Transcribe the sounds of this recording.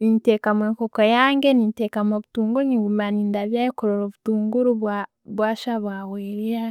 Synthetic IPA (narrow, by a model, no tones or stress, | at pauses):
nintekamweːŋkokojaːŋɡenintekamoβutuːŋɡuniɡumaniːndaβjaːjikoɾoɾoβutuːŋɡuɾuβa | βwaʃaβaweːɾia